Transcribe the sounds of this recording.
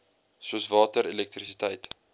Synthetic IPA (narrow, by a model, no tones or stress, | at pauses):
suəsvɑːtəɾelɛk̚t̪risitəjt